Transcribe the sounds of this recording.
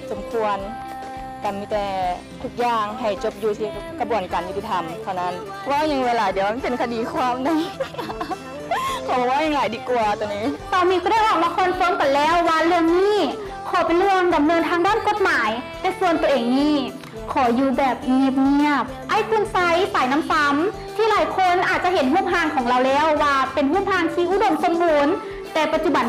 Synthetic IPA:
so˨˦mkʰu˧ən | kaː˨˩nmiː˧˩t̪ɛː˧˩ | t̪ʰu˧˩k̚jaː˧ŋɦa˨˩jt͡ɕo˧˦p̚juː˧sʰiː˧˩kʰa˧˩bu˨˩ənkaː˨nju˦˥t̪i˧t̪ʰa˧mt̪ʰa˧˩wna˦˥˨n˧ | waː˧˥˨wɲa˧˦ŋweː˧laː˨˦di˧˦əwma˧˥˦pe˨˩nkʰa˧diː˨˩kʰwaː˧˥˨mna˧˩j | kʰɔ˨˧˦bɔː˧waː˧˥˩ɲaː˧ŋlaː˨˩˦jdiː˧˦ku˧ɐt̪u˧˨niː˧˥˨t̪ɔː˧˩miː˧˥kɔ˧˦ɾa˧˥˩jwaː˧˩k̚waː˧kʰo˧˥˨nsoː˧˦mka˨˩jlɛː˧˥˨wːaː˧˨lɯ˧əŋniː˧˥˩ | kʰɔː˨˩˦pe˨nlɯ˧əŋda˨˩mnɤː˧nt̪ʰaː˧ŋdaː˥˨nko˧˩t̪̚maː˨˩˦jt̪ɛː˧˩su˧ənt̪u˧˩əʔeː˨˩ŋniː˧˥˩ | kʰɔː˨˩˦juː˧bɛː˨˩p̚ŋiː˧˩p̚ŋi˧˩əp̚ʔa˧˩jku˧˩nsa˧jpa˨˩˦jna˧˥˨msa˧˥m | t̪ʰiː˧˥˩laː˨˦jkʰo˧˥˨nʔaː˨˩t̪̚t͡ɕa˧˨ɦe˨˩˦nɦuː˥˩p̚ɦaː˧˩ŋkʰɔː˩˦ŋɾa˧wlɛː˧˥˩wːaː˧pe˨nɦuː˥˩p̚haː˧ŋt̪ʰiː˧˩ʔu˧˩do˧˩˨mso˧˥˨mːuː˧n | t̪ɛː˨˩pa˧t̪̚t͡ɕu˧ba˨˦n

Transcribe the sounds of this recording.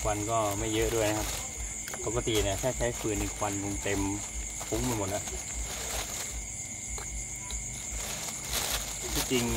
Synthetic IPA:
kʰwa˧nkɔː˥˩ma˥˩jːɤ˦˥ʔdu˥˩əjna˦˧kʰa˦˥p̚ | po˨˧ka˧t̪i˨naː˧˩t̪ʰaː˥˩t͡ɕʰa˦˥jfʰɯː˨˩nːa˧kʰwa˧nbo˧ŋt̪e˧m | pʰu˧˦˥ŋma˧˩˨mo˨˩t̪̚la˦˥ʔ | t̪ʰi˧˩t͡ɕi˧ŋ

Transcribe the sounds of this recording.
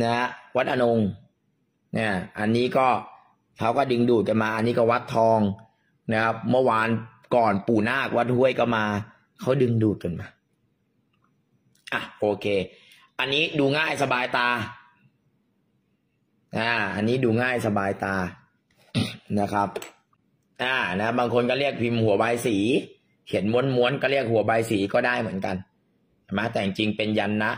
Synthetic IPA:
na˦˥ha˥wa˦˥t̪̚ʔa˧no˧ŋ | na˥˩ʔa˧nːiː˦˥kɔː˥˩ | kʰa˦˥wkɔː˥˩dɯ˧ŋduː˨˩t̪̚ka˧nmaː˧ʔa˧nːiː˦˥kɔː˥˩wa˦˥t̪ʰːɔː˧ŋ | na˦˥kʰa˦˥p̚mɯ˥˩ɐwaː˧n | kɔː˨˩npuː˨˩naː˥˩k̚wa˦˥t̪̚hu˥˩əjkɔː˥˩maː˧ | kʰa˦˥wdɯ˧ŋduː˨˩t̪̚ka˧nmaː˧ | ʔa˨˩ʔoː˧kʰeː˧ | ʔa˧nːiː˦˥duː˧ŋaː˥˩jsa˧baː˧jt̪aː˧ | ʔaː˧˩ʔa̰˧nːiː˦˥duː˧ŋaː˥˩jsa˧baː˧jt̪aː˧ | na˦˥kʰa˦˥p̚ | ʔaː˧˩na˦˥baː˧ŋkʰo˧nkɔː˥˩ɾi˥˩ək̚pʰi˧mhu˨˩˦baː˧jsiː˩˦ | he˩˦nmo˧˦˥nmu˧˦ənkɔː˥˩ɾi˥˩ək̚hu˨˩˦ɐbaː˧jsiː˩˦kɔː˥˩daː˥˩jmɯ˨˩˦ənka˧n˩ | ma˦˥˩t̪ɛː˨˩a˧ŋt͡ɕi˧ŋpe˧nja˧nːa˦˥ʔ

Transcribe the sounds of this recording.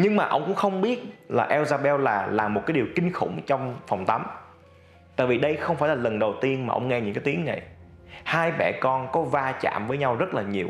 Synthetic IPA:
ɲɨ˧ŋmaː˨˩ʔə̰˧wŋ͡mkʊ̰˧˥ŋ͡mxə˧wŋ͡mɓi˦˥ət̚laː˨˩ʔɛ˧wzaː˧ɓɛ˧wlaː˨˩laː˨˩mo˨˩t̚kaː˨˦jɗi˨˩wkï˧ŋ̟xʊ̰˧˩ŋ͡mt͡ɕɔ˧wŋ͡mfɔ˨˩wŋ͡mt̪a˨˦m | t̪a̰ː˧˨jvi˨˩ɗə˧jxə˧wŋ͡mfaː˧˩jlaː˨˩lə˨˩nɗə˨˩wt̪i˧ənmaː˨˩ʔə̰˧wŋ͡mŋɛ˧ɲɨ̰˧ŋkaː˦jt̪i˨˦əŋna˨˩j | haː˧jɓɛ̰˧˩kɔ˧nkɔ˨˦vaː˧t͡ɕa̰ː˧˨mvəː˨˦jɲa˧wzə˦˥t̚laː˨˩ɲi˨˩əw

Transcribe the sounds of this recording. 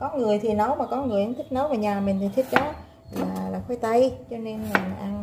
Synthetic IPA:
kɔ˨˦ŋɨ˨˩əjt̪ʰi˨˩nə˨˦wmaː˨˩kɔ˨˦ŋɨ˨˩əjʔə˨˦ŋt̪ʰï˦˥k̟̚nə˨˦wvaː˨˩ɲaː˨˩mï˨˩ŋ̟t̪ʰi˨˩t̪ʰï˦˥k̟̚ɗɔ˨˦ | laː˨˩laː˨˩xwe˨˧˦jt̪ə˧jt͡ɕɔ˧ne˧na˨˩˨ʔa˧n

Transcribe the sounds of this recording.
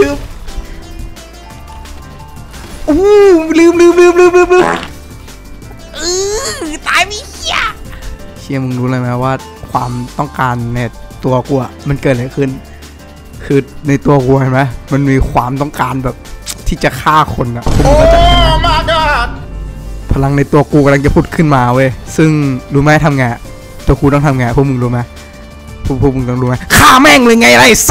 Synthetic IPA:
lɯː˧˥˩m | ʔuː˧˥˩lɯː˧˥˩mlɯː˧˥˩mlɯː˧˥˩mlɯː˥˩˨mlɯː˧˥˨mlɯː˧˥˩m | ʔɯː˧t̪aː˧˩jmi˧˦˧a˧˩t͡ɕʰi˧˩ɐ˨mɯ˧ŋluː˧˦laː˧˩ma˦˥waː˥˩ | kʰwaː˧mt̪ɔ˥˩ŋkaː˧nːɛ˧˩t̪u˧ɐku˧˩˨a˨˩ma˧˥nkɤː˨˩t̪̚la˧˩kʰɯ˥˩n | kʰɯː˧na˧jt̪u˧ɐku˧ɐt͡ɕʰa˧˩ma˧˦˥ma˧˥˨nmiː˧kʰwaː˧mt̪ɔ˥˩ŋkaː˧nbɛː˨˩p̚t̪ʰiː˥˩t͡ɕa˨˩kʰaː˥˩kʰo˧nʔa˨˩pʰu˥˩˧ka˧˩a˧ | pʰa˧la˧ŋna˧jt̪u˧ɐkuː˧kɔ˧˩ɾa˧ŋt͡ɕa˨˩pʰuː˥˩t̪̚kʰɯ˥˩nmaː˧wɤː˧˩jsɯ˥˩ŋduː˧˥maː˦˥˩t̪ʰa˧mŋaː˧˩ | t̪uː˧ɐkuː˧t̪ɔ˥˩ŋt̪ʰa˧mŋaː˧˨pʰu˧˥˨mɯ˧duː˧˦˩ma˦˥ | pʰu˧˥˩pʰu˥˩mɯ˧ŋt̪ɔ˧˩ŋluː˧ma˦˥kʰaː˥˩mɛː˧˥˩ŋlɤː˧jŋa˧˥˨ʔa˧la˧˩j

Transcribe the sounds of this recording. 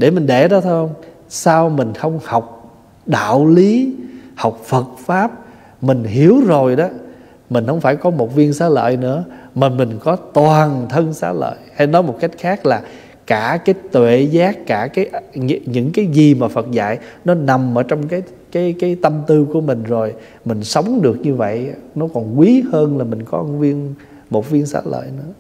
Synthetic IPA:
ɗe˧˩mï˨˩ŋ̟ɗe˧˩ɗɔ˨˦t̪ʰo˧jhə˧wŋ͡m | saː˧wmï˨˩ŋ̟xə˧wŋ͡mha˨˩wk͡p̚ | ɗa̰ː˧˨wli˨˦ha˨˩wk͡p̚fə˨˩t̚faː˦˥p̚ | mï˨˩ŋ̟ɦi˨˦əwzo˨˩jɗɔ˨˦ | mï̟˨˩hə˧˩wŋ͡mfaː˧˩jkɔ˨˦mo˨˩t̚vi˧ənsa̰ː˨˦lə̰ː˧˨jnɨ̰˧˥əmaː˨˩mï˨˩ŋ̟kɔ˨˦t̪waː˨˩nt̪ʰə˧ŋsa̰ː˧˥lə̰ː˧˨jha˧jnɔ˨˦jmo˨˩t̚ka˦˥jk̟̚xaː˦˥k̚laː˨˩ | kaː˧˩kaː˨˦jt̪wḛ˧˨zaː˦˥kːaː˧˩kaː˨˦jʔɲɨ̰˧˥ŋkaː˨˦jzi˨˩maː˨˩fə˨˩t̚za̰ː˧˨jnɔ˨˦na˨˩mʔəː˧˩t͡ɕɔ˧wŋ͡mkaː˨˦j | kaː˨˦jkaː˨˦jt̪ə˧mt̪ɨ˧ku˧˩əmï˨˩ŋ̟zo˨˩j | mï˨˩ŋ̟sə˨˦wŋ͡mɗɨ˨˩ək̚ɲɨ˧və̰˧˨jnɔ˨˦kɔ˨˩nkwi˨˦həː˧nlaː˨˩mï˨˩ŋ̟kɔ˨˦ʔə˧nvi˧ən | mo˨˩t̚vi˧ənsa̰ː˧˥lə̰ː˧˨jnɨ̰˧˥ə

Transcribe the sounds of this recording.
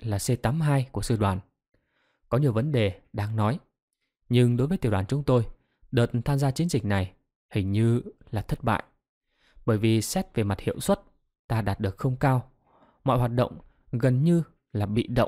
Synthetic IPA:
laː˨˩se˧t̪aː˨˦mɦaː˧jku˧˩əsɨ˧ɗwaː˧˩n | kɔ˨˦ɲi˨˩əwvə˨˦nɗe˨˩ɗaː˧ŋnɔ˨˦j | ɲɨ˧ŋɗo˨˦jvəː˨˦t̪ːwaː˧˩t͡ɕʊ˨˦ŋ͡mt̪o˧j | ɗəː˨˩t̚nt̪ʰaː˧mzaː˧t͡ɕi˨˦ənzï̟˨˩na˨˩j | hï˨˩ŋ̟ɲɨ˧laː˨˩t̪ʰə˦˥t̚ɓa̰ː˧˨jʔ | ɓəː˧˩jvi˨˩sɛ˦˥t̚ve˨˩ma˨˩t̚hḭ˧˨əwswə˦˥t̚ | t̪aː˧ɗaː˨˩t̚ɗɨ˨˩ək̚xə˧wŋ͡mkaː˧w | mɔ̰˧˨jɦwaː˨˩t̚ɗə̰˧˨wŋ͡m | ɣə˨˩nɲɨ˧ | laː˨˩ɓḭ˧˨ɗə̰˧˨ŋ͡m

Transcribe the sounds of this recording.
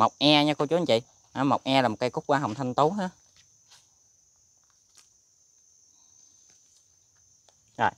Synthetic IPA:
ma˨˩wk͡p̚ʔɛ˧ɲa˧ko˧t͡ɕu˨˦˨t͡ɕḭ˧˨ | ʔaː˨˩ma˨˩wk͡p̚ʔɛ˧laː˨˩mo˨˩kːkʊ˦˥k͡p̚kwaː˧ɦa˨˩wŋ͡m̚t̪ʰa˧ŋt̪o˨˦ɦaː˧˥ | zɔ̰˨˩

